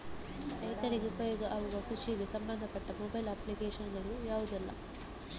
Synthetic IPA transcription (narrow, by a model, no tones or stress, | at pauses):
ɛːt̪ɐɾiɡepɐjɔɡɐʔɐʋuɡɐkuʂiɡesɐmbɐnd̪ʱɐpɐʈːɐmobɐjlaːpːlikeːʂɐnɡɐɭujaːʋud̪ɛlːɐ̰